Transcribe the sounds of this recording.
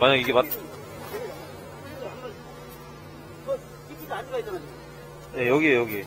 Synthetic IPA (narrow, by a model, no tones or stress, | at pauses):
maɲaɡiɡematʰ | ɡʌ | ikʰiɡad͡ʑiɡait͈ʌnɯn | je̞jʌɡiejʌɡie